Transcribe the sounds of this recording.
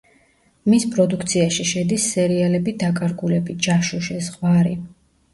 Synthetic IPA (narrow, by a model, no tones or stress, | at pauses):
mispʼɾɔd̪ukʰt̪sʰiaʃiʃɛd̪isːɛɾialɛbid̪akʼaɾɡulɛbid͡ʒaʃɔʃɛzʁwaɾi